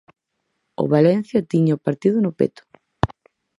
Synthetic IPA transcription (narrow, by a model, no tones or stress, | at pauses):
o̰βalɛn̟θjɐt̪iɲaopaɾt̪iðʊnʊpḛt̪ʊ̥